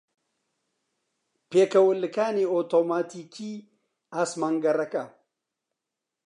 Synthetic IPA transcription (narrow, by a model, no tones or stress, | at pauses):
pekɐwʊlːɨkaːneot̪omaːtikʲi | asmɐŋɡɐɾɐka